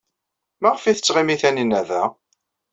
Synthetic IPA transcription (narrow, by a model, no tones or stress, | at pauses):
mæʁəfiθə̥t͡sːʁimiθæninæðæ